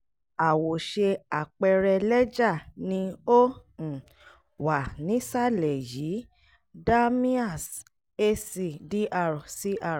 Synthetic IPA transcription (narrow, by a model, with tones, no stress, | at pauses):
a˨wo˨ʃe˧a˨k͡pɛ˧ɾɛ˧lɛ˦d͡ʒa˦˨nĩ˧õ˦˨ | wa˨nĩ˨˦sa˦lɛ˨jiː˨˦ | da˦mĩ˦a˦˨s | e˦si˨di˦ʔa˧˨ɾsi˦a˦˧˨